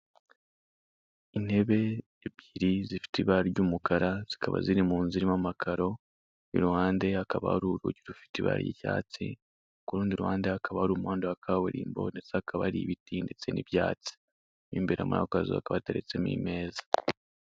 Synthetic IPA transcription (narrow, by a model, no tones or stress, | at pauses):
ine̞βe̞ː | βɟiɾizifi̥tiβaɟuːmukaɾaz̥ikaβa̰ziɾimuːnziɾimamakʰaɾo̞ | ḭɾuwaːnde̞akaβa̰haɾuɾuɟiɾufi̥tiβa̰ːɾ̰jḭca̰ːt͡sḭ | okuɾuːndiɾuwhaːndeakaβahaɾuːmuwaːndoakʰaweɾiːmbo̞̰nde̞t͡saakaβaɾiβitindet͡se̞niβjaːt͡si̥ | βiːmbeɾa̰muɾa̰kazḭa̰kaβateɾḛt͡semḭme̞ːzḁ